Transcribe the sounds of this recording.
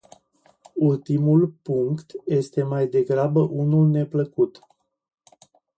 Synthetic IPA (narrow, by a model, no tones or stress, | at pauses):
ult̪imulpuŋkt̪je̞st̪e̞majd̪e̞ɡɾabəʔunulne̞pləkut̪